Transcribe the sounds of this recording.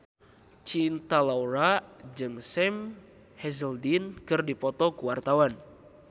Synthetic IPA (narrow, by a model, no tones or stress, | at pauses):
t͡ʃint̪alauɾad͡ʒɨŋsɛm | hɛzəldinkɨrdipɔt̪ɔkuwart̪awan